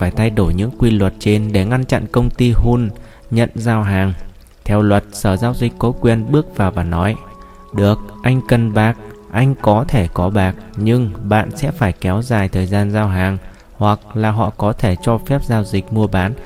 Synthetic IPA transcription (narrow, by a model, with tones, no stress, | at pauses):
faː˧˩jt̪ʰa˧jɗo˧˩jɲɨ̰˧˥ŋkwi˧lwə˨˩t̚t͡ɕe˧nɗe˧˩ŋa˧nt͡ɕa̰˧˨nkə˧wŋ͡mt̪i˧ɦu˧n | ɲə̰˧˨nzaː˧wɦaː˨˩ŋ | t̪ʰɛ˧wlwə˨˩t̚səː˧˩zaː˧wzi˨˩k̟̚kɔ˨˦kwi˨˩ənɓɨ˦˥ək̚vaː˨˩wvaː˨˩nɔ˨˦j | ɗɨ˨˩ək̚ʔa˧jŋ̟kə˨˩nɓaː˨˩k̚ʔa˧jŋ̟kɔ˨˦t̪ʰe˧˩kɔ˨˦ɓaː˨˩k̚ɲɨ˧ŋɓa̰ː˧˨nsɛ̰˧˥faː˧˩jkɛ˨˦wzaː˨˩jt̪ʰəː˨˩jzaː˧nzaː˧wɦaː˨˩ŋ | hwa˨˩k̚laː˨˩ɦɔ̰˧˨kɔ˨˦t̪ʰe˧˩t͡ɕɔ˧fɛ˦˥p̚zaː˧wzï˨˩k̟̚mu˧əɓaː˨˦n